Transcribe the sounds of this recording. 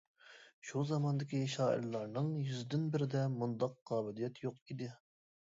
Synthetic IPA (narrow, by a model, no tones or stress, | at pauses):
ʃuzɑmɑnd̪ɪkʲiʃɑːʔɪ̰ɾlˠɑɾnɨŋjyzd̪ɪnbɪɾɪd̪ɛmund̪ɑqqɑːbɪlijɛt̪joqid̪ɪ